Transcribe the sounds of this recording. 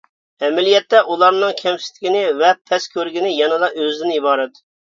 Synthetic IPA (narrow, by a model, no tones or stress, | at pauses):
ɛmɛlijɛt̪ːɛʔulˠɑɾnɨŋkʲʰɛmsɪ̥st̪ɪ̥kʲinɪvɛpʰɛskʲʰøɾɡʲinɪjɑnɨd̪ɑʔøzd̪ɪnibɑːɾɛt̪